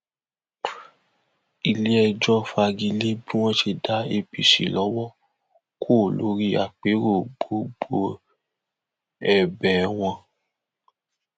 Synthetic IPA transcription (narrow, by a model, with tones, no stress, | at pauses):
i˧le˦ɛ˧d͡ʒɔ˦fa˧ɡi˧le˦bi˦w̃ɔ̃˦ʃe˧da˨˦e˧pi˨ʃi˨lɔ˨˦wɔ˦ | kʰo˦˨lo˨˦ɾi˦a˨k͡pe˨˦ɾo˦˨ɡ͡bo˨ɡ͡bo˧ | ɛ˨bɛ˨˦w̃ɔ̃˧